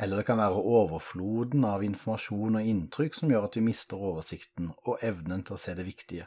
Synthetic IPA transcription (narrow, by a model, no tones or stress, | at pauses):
ɛlːəʁd̪ɛkʰɑnʋæːʁəʔoːʋəɾfluːd̪n̩ɑʋɪnfɔmɑʃuːnɔɪnt̪ʰɾʏkːsɔmjøːɾɑt̪ʋɪmɪst̪əɾoːʋəʂɪkt̪n̩ɔʔɛʋnənt̪ʰɪlɔseːd̪ɛʋɪkt̪ɪə